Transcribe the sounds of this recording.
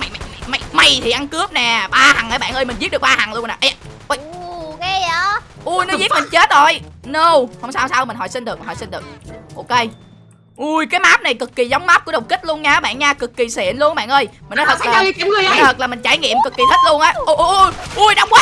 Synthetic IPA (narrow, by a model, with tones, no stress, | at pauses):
ma˨˩jma˨˩jma˨˩jma˨˩jma˨˩jt̪ʰi˨˩ʔa˧nkɨ˦˥əp̚nɛ˨˩ɓaː˧ha˨˩ŋʔəː˨˩˦ɓa̰ː˧˨nʔəː˧jmï˨˩zi˦˥t̚ɗɨ˨˩k̚ɓaː˧ha˨˩ŋlu˧əna˨˩ʔɛ˧˩ʔo˧˩˧ | ʔu˧˩jnɔ˦˧zi˦˥t̚mi˨˩ŋt͡ɕe˦˥t̚zo˨˩jno˧˩whə˧wŋ͡msaː˧wsaː˧wmï̟˨˩ɦɔ̰˧˩˦jsi˧nɗɨ˨˩km˨˩˨ɔ˨˩si˧nɗɨ˨˩ək̚ʔo˧ke˧j | ʔu˧˩jkaː˨˦jmaː˦˥p̚na˨˩jkɨ˨˩kːi˨˩za˨˦wŋ͡mmaː˦˥p̚kṵ˧˥˦ɗə˨˩wŋ͡mki˦˥t̚lu˧ənɲaː˧˨˦ɓa̰ː˧˨nɲaː˧kɨ˨˩kːi˨˩sḭ˧˨ənlu˧ən˨ɓa̰ː˧˨nʔəː˧jmi˨˩nɔ˨˦t̪ʰə˨˩˨laː˨˧˨t̪ʰk̚laː˨˩mi˨˩ŋ̟t͡ɕaː˧˩jŋḭ˧˨əmkɨ˨˩kːi˨˩tʰi˦˥t̚lu˧ənʔəː˨˦ʔo˧ʔjʔu˧˩jɗa˧wŋ͡mkwaː˦